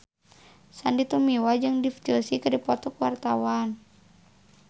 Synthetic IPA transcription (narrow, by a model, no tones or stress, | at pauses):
sandit̪umiwad͡ʒɨŋdift̪ɔsikədipɔt̪ɔkwart̪awan